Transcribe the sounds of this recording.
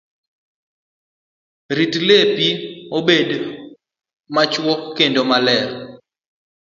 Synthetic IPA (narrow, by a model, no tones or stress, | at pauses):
ɾitlepiobed | mat͡ʃwokːendomalɛɾ